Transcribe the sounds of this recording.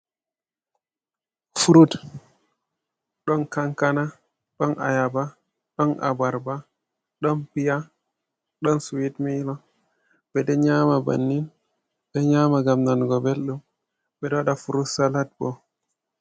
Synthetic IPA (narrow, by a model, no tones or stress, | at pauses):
fuɾut | ɗɔnkaŋkana | ɗɔnʔa̰jaba | ɗɔnʔa̰baɾba | ɗɔnpija | ɗɔnsuwitmilɔ | bɛdɛɲamaba̰nːin | bɛɲaːmaɡamnanɡɔbelɗum | ɓɛdɔɗafuɾusalat̚bɔ